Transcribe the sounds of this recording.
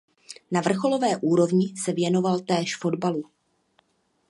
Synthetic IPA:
navr̩xo̞lo̞vɛːʔuːɾo̞vɲɪsɛvjɛno̞valt̪ɛːʃfo̞dbalu

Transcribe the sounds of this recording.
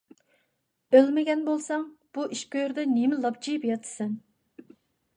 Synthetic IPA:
ølmɪɡʲɛnbolˠsɑŋb̥uʔiʃkʲøjɾd̪ɛnemɪlˠɑp̚t͡ʃʰijipjɑt̪ʰɨ̥sɨn

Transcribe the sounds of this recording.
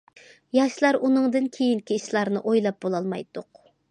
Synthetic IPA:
jɑʃlˠɑɾunɨŋd̪ɨnkʲʰejiŋkʲiiʃlˠɑɾnɨʔojlˠɑp̚b̥olˠɑlˠmɑ̰jt̪ʊq

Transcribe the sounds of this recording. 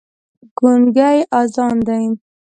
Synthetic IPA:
ɡ̥unɡajʔɑzɑnd̪ajn

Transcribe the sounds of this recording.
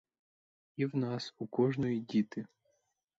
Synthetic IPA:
iwnɑsukɔʒnɔjidʲit̪ɪ

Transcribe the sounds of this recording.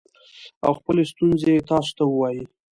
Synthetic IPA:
a̰wxpəlest̪unzeet̪ɑso̥t̪awəwɑji

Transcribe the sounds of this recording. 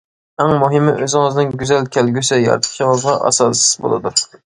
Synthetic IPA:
æŋmuɦɪmɪʔøzɪŋɨznɨŋɡʲyzælkʲʰælɡʲysɪjɑ̰ɾt̪ʰə̥χʃʰɨŋɑzʁɑʔɑ̰sɑsɪ̥zbo̰lˠɨd̪u

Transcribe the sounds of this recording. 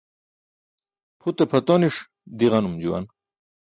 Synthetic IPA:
pʰut̪epʰɐt̪oniʂ | d̪iʁɐnumd͡ʑuwɐ̰n

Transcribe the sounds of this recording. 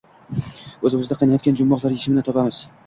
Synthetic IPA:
ɵzɪmɪzd̪aqʰɑnajɒt̪kʲand͡ʒʊmːɒqlˠaɾjɪʃɪmɪnɪt̪ʰɒpamɪz̥

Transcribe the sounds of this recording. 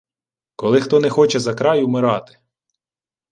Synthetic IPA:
kɔlˠɪxt̪ɔnɛxɔt͡ʃɛzɐkɾɑjwmɪɾɑt̪ɪ̥

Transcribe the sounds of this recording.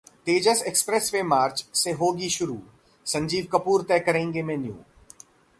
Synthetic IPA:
t̪eːd͡ʒəsekspɾɛsʋemaːɾt͡ʃseɦoːɡiʃʊɾṵː | sɐ̃ɲd͡ʒiːʋkɐpuːɾt̪ɛːkɐɾẽːŋɡemẽnjṵ̃ː

